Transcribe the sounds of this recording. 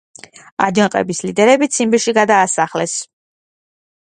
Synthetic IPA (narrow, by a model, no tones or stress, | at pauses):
a̰d͡ʒaqʼɛ̰bislid̪ɛɾɛbit̪sʰimbiʃiɡad̪aːsaχlɛs